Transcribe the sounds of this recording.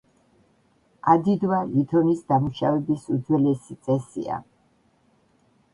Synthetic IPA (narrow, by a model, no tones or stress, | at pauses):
ad̪id̪wait̪ʰɔnisd̪amuʃavɛbisud̪zwɛlɛsit̪sʼɛsḭa̰